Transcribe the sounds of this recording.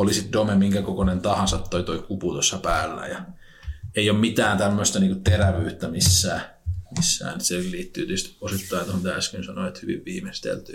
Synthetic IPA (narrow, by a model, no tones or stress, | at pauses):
olisit̪domemiŋkækokonent̪ɑhɑnsɑt̪toit̪oikuput̪osːɑpæːlːæ̰jɑ | eiommit̪æːnt̪æmːøst̪ɑniːŋkutt̪eræʋyːt̪ːæmisːæː | misːæ̰ːnit̪selliːt̪ːyːt̪yst̪osit̪ːɑit̪ohont̪æskynsɑnoet̪hyʋḭʋʋiːmest̪ḛlt̪y̰ː